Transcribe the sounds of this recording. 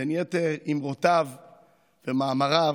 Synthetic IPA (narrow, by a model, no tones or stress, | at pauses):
enjɛt̪eimʁot̪av | vemaːmaʁa